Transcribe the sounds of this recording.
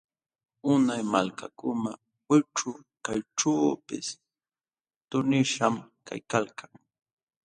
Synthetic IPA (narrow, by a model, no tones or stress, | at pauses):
ʊnajmalkakʊna | wɪʈ͡ʂʊ | kajʈ͡ʂaːpɪs | t̪ʊnɪʃamkʰa̰jkalkaŋ